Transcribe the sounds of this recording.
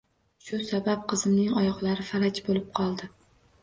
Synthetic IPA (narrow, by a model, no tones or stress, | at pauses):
ʃʊsabap̚qʰɨzɪmnɪŋɒjɒʁlaɾɪfalat͡ʃbolɪp̚qʰɒlˠd̪ɪ